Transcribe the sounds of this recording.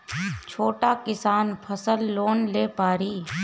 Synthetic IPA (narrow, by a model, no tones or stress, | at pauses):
t͡ʃʰoːʈakɪsaːnpʰəsəlːoːnleːpaːɾiː